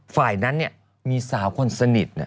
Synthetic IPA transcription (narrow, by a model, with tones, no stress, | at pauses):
faː˨˩jna˦˥nːi˥˩ɐ | miː˧saː˩˦wkʰo˧nsa˧ni˨˩t̪̚na˧˩